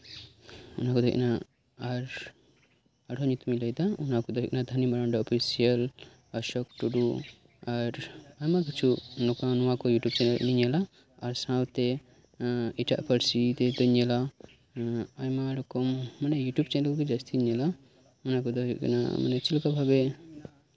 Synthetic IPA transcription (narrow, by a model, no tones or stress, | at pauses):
unakud̪ɔ̰knaː | ɾ | aɽʱɔɲut̪umiləjd̪aunakud̪ɔik̚nad̪ʱɐnimaɾaɳɖaɔpʰisiəl | əʃɔkʈuɖu | aɾajmakit͡ʃʰunɔkanuwakɔjuʈjub̚t͡ʃɛnelniɲalaː | ɾsãwt̪e | iʈa̰ʔpʰəɾsit̪ed̪ɔɲɛla | ajmaɽɔkɔmːanɛjuʈjubt͡ʃɛnɛlkɔkid͡ʒast̪ʰiɲala | unakɔd̪ɔikna̰ma̰nɛt͡ʃilkabʱabe